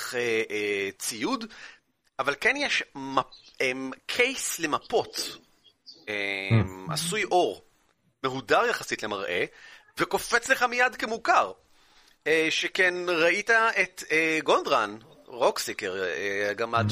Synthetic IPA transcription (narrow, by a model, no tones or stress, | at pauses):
eʔt͡sijud | ʔavalkenjeʃmaemkʰejsle̞mapo̞t͡s | ema̰sujʔo̞ʁ | meɦudaʁjaχasitle̞maʁʔḛ | veko̞fet͡sle̞χamijadkemukaʁ | eʃekenʁaitaet̪eɡo̞nd̪ʁan | ʁo̞ksikeʁeɡama